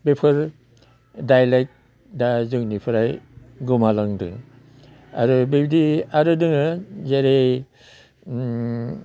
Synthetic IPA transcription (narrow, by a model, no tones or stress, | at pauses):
bepʰɯɾ | dajlek̚ | dazɯŋnipʰɯɾaj | ɡumalaŋdɯ̰ŋ | a̰ɾɯbebdiaɾɯdɯŋɯzeɾe